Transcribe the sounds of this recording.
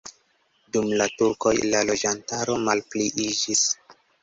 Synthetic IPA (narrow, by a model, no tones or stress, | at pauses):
dumlatuɾko̞jlalo̞d͡ʒantaɾo̞malpliʔid͡ʒis